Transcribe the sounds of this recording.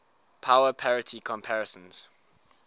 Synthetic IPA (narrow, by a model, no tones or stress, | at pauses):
pʰaʊəpʰɛɹɪtʰikʰɔ̃mpʰɛɹɛsə̃nz̥